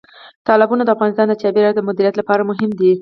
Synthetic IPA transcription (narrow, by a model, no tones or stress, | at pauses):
t̪ɑlɪbunad̪əafɣɑnɪst̪ɑnd̪ət͡ʃ̪ɑbeɾajod̪əmʊd̪iɾijat̪lapɑɾamʊɦɪmd̪i